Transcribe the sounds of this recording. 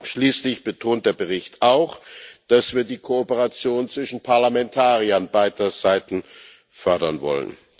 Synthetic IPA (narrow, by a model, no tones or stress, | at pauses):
ʃliːslɪçb̥ətʰoːnt̚d̥eːɐbəʁɪçtʰʔaʊxd̥asv̥iːɐdiːkʰoːpəʁat͡sjoːnt͡sv̥ɪʃn̩pʰaɐlamɛntʰaːʁiɐnbaɪtɐzaɪtn̩ | fœɐdɐnvɔ̰lə̰n